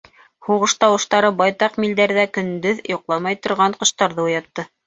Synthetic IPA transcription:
huʁɤ̆ʃt̪ɑwɤ̆ʃt̪ɑɾɤbɑjt̪ɑqmild̪æɾðækɵ̆nd̪ɵðjŏqlˠɑmɑjt̪ŏɾʁɑɴqɤ̆ʃt̪ɑɾðɤŏjɑt̪ːɤ

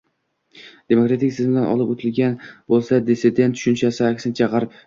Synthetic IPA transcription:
d̪̥e̞mokɾat̪ʰɪkʲsɪzmd̪anʔɒ̰lˠɪpot̪ʰɪlɡʲanbolˠsad̪ɪsɪd̪et̪ʰːʊ̥ʃʊnt͡ʃʰasɪakʲsɪnɪt͡ʃʰaʁɑɾɪp

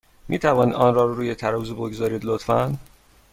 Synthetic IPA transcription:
miːt̪ʰævɒːniːd̪ɒːnrɒːɾɾuːjet̪ʰæɾɒːzuboɡzɒːɾiːd̪lot̪fæn

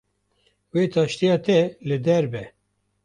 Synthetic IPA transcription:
weːt̪ʰɑːʃt̪ijɑːt̪ɛlɨd̪ɛɾbɛ

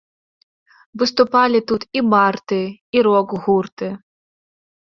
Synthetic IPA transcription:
vɨst̪ʊpɑlʲɪt̪ut̪imɑrt̪ɨiɾoɡɣurt̪ɨ

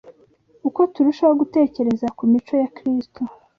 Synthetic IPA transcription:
uko̞tuɾiʃoβaaɡute̞ːce̞ɾe̞zakumit͡ʃo̞jakɾistʰu

